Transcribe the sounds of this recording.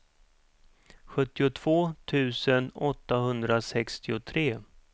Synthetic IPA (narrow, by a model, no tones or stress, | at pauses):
ɧɵt̪ːɪʊt̪ʰv̥oːt̪ʰʉ̟ːsənɔt̪ːaɦɵnd̪ɾasɛkst̪ɪʊt̪ʰɾeː